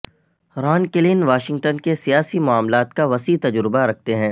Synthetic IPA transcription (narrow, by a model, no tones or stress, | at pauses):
ɾaːnkɪlɪnʋaːʃɪ̃ŋɡʈənkesijaːsimʊaːmlaːt̪kaʋɐsiːt̪ɐd͡ʒɾɪbaɾɐk̚ʰt̪eɦɛ̃ː